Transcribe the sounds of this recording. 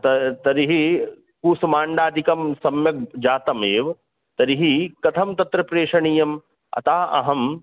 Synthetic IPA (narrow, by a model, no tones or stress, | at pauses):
t̪ɐt̪ɐɾiɦi | kuːsɐmaːɳɖaːd̪ʱikɐmsɐmjɐk̚d͡ʒaːt̪ɐmeːʋ | t̪ɐɾiɦikɐt̪ʰɐmt̪ɐt̪ɾɐpɾeːʂɐɳijɐm | ɐ̰t̪aːɐ̰ɦɐm